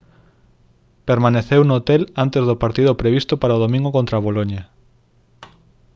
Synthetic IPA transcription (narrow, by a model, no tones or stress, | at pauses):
peɾmaneθewnoot̪elant̪ezðʊpaɾt̪iðʊpɾeβ̞ist̪ʊpaɾaoðomĩŋɡokõnt̪ɾaβ̞oloɲa